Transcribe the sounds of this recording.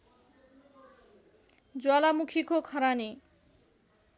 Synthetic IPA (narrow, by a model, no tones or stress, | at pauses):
d͡zwalamukʰikokʰʌɾani